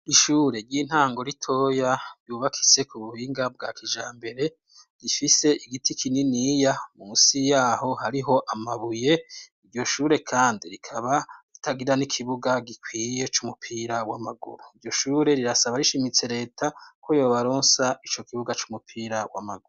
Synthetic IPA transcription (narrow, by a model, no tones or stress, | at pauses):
iʃuːɾe̞ɾɟiːn̥haːŋɡo̞ɾitʰo̞jaɾjuːβakʰi̥se̞kuβuhiːŋɡab̚ɡaːkid͡ʒaːmbe̞ɾe̞ | ɡ̥ifise̞ʔiɡitikʰininiːjamusijaːho̞haɾiɦo̞ʔamaβuje̞iɾɟo̞ʃuːɾe̞kʰaːndiɾikʰaβaɾitʰaɡiɾanikʰiβuɡaɡikwiːje̞t͡ʃumupʰiːɾawamaɡṵɾuiɾɟo̞ʃuːɾe̞ɾiɾasaβaɾiʃimit͡se̞ɾe̞ːtʰakʰo̞jo̞ːβaɾoːnsait͡ʃo̞kiβuɡat͡ʃumupʰiːɾawa̰maɡuɾu